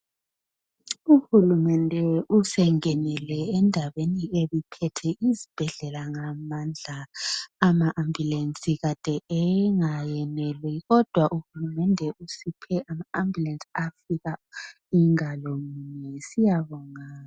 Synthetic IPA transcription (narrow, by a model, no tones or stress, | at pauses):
uhulumɛndʱɛusɛŋɛnɛlɛɛndʱaβenieβipʰɛtʰɛʔizib̥ʱɛɮɛlaŋamand͡ɮʱaː | maʔambʱulensʼiɣad̥ʱɛɛŋajɛnɛlwɛɣɔd̥ʱwaʔuhulumɛndʱɛusipʰɛamaambʱulansʼafiɣa | iŋalɔmuɲɛsijaβɔŋa